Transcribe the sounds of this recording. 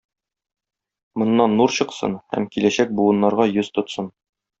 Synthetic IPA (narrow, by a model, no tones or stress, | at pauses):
mŏnːɑnːuɾɕɤ̆qsɤ̰nhæ̰mkilæɕæk̚buwɤ̆nːɑɾʁɑjɵz̥t̪ŏt̪sɤn